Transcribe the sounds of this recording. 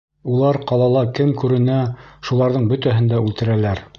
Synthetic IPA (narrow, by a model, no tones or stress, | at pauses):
ulˠɑɾqɑlˠɑlˠɑkɘmkʉɾɘ̆næʃulˠɑɾðɤɴbɵ̆t̪æɦɘ̆nd̪æʉlt̪ɘ̆ɾælæɾ